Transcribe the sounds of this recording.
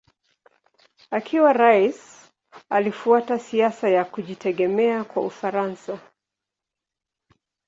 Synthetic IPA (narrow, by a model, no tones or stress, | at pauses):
akʰiwaɾais | alifuatasiasajakuʄitʰɛɠɛmɛakwa̰ufaɾansa